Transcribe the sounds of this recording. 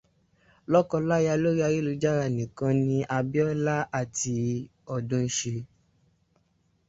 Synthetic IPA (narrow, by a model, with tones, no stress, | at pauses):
lɔ˦kɔ˧la˦ja˧lo˦ɾi˦a˧ɾi˦lu˧˦d͡ʒa˦ɾa˦˨nĩ˨kã˧nĩ˧ʔa˧bi˦ɔ˦la˦a˦˨ti˧ | ɔ˦˨dũ˧˦ʃe˧